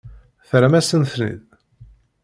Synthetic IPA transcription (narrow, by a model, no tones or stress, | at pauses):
θɾæmæsənθlḭð